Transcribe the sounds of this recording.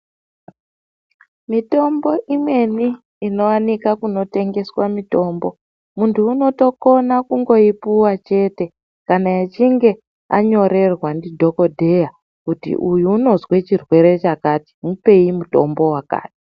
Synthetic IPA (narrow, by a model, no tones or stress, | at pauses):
mito̞mbo̞ʔimwe̞niː | no̞wanikakuno̞te̞ŋɡe̞swamito̞ːmbo̞ | muntʰuːno̞to̞ko̞nakuŋɡo̞ipuwat͡ʃe̞te̞ | kanajat͡ʃiŋɡe̞ | a̰ɲo̞ɾe̞rwandidʱo̞ko̞dʱe̞ja | kutḭʔujuːno̞zwe̞t͡ʃirwe̞ɾe̞t͡ʃakaːti̥mupe̞imuto̞̰mbo̞waka̰ːti̥